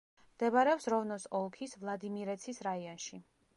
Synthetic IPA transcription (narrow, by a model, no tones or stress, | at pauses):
md̪ɛbaɾɛɔpsɾɔvnɔsɔlˠkʰisvlˠad̪imiɾɛt̪sʰisɾaiɔnʃi